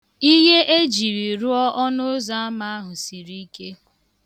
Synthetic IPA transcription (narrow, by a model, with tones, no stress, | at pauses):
i˦ɦe˦ʔe˦d͡ʒi˨ɾi˨ɾʊ˦ɔ˦ʔɔ˦nʊ˦za˦a˦ma˦a˦ɦʊ˨si˨ɾi˦ke˦